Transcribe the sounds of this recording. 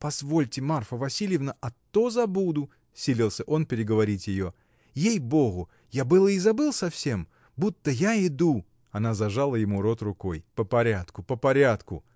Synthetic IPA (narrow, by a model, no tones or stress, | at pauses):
pɐzvo̞lʲtʲɪmarfəvɐsʲilʲjɪvnəʔɐt̪ːozɐbud̪ʊ | sʲilʲilˠsʲəʔo̞npʲɪɾʲɪɡəvɐɾʲitʲjɪjo̞ | jejbo̞ɣʊ | jabɨlˠəizɐbɨlˠsɐfsʲe̞m | but̪ːəjaɪd̪u | ɐnazɐʐalˠəjɪmuɾo̞t̪rʊko̞jpəpɐɾʲat̪kʊpəpɐɾʲat̪kʊ̰